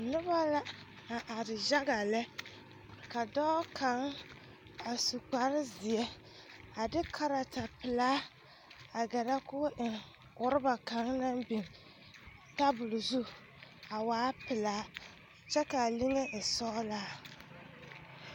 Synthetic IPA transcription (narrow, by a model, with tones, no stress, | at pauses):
nʊ˦ba˦la˦ | na˨ʔa˨dɪ˨d͡ʒa˦ɡa˨lɛ˦ | ka˨dɔː˦kʰa˨˦ŋ | a˨su˨k͡pa˨˦ɾɪ˦zɪ˨ɛ˦ | a˨dɪ˦kʰa˨ɾa˨ta˨pɪ˨laː˦ | a˨ɡɛ˨ɾa˦kʊ˦ʔɪ˨ | kʊ˨ɾɪ˦ba˨ka˨˦ŋnã˦bi˨ŋ | ta˦bʊ˨lʊ˨zu˦ | a˨waː˨˦pɪ˨laː˨˦˨ | t͡ʃɛ˦ka˨li˦ŋe˦ʔɪ˨sɔː˦la˦˨